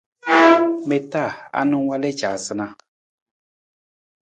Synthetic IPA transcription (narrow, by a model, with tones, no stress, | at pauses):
me˨ta˦˨a̰˦nũ˦wa˦le˦d͡ʒa˨sɨ˦nã˧